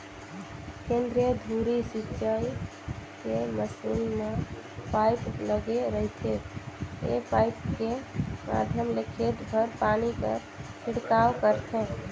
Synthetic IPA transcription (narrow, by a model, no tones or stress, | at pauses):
kẽnd̪ɾied̪ʱuɾisitːt͡ʃəi | keməsulme | pajpləɡeɾəɦit̪ʰe | ḛpajp̚kema̰d̪ʱjəmlekʰeʈ̪bʱəɾpanikə̰ɾ | kʰiɽkawkəɾt̪ʰẽ